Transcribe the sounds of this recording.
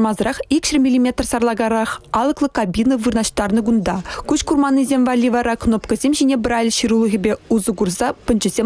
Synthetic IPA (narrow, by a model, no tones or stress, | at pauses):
mɑzɾɑχikɕərʲmʲilʲimʲet̪rsɑrlˠɑɡɑɾɑχɑlˠɤ̆klˠɤ̆kabʲinəvɯrnɑɕt̪ɑrnɤ̆ɡund̪ɑkuɕkurmɑnːɨzʲemʲvɑlʲːivɑɾɑknopkə̆zʲemʑinʲebrɑlʲɕiɾulˠə̆ʁʲibʲeuzɤ̆ɡurzɑpʲɘ̆nd͡ʑɘ̆zʲe